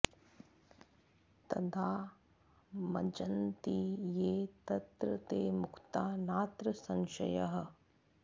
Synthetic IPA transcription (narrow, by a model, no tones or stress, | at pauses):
t̪ɐ̰d̪ʰʱaː | mɐ̰d͡ʒɐnt̪ijeːt̪ɐt̪ɾɐt̪eːmʊkʰt̪aːnaːt̪ɾɐsɐ̃nʃɐjɐɦɐ̆